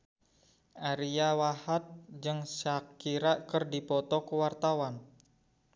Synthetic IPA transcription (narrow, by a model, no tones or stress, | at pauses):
ʔaɾiawahat̪̚d͡ʒɨŋsakiɾaʔkərdipɔt̪ɔkəwart̪awan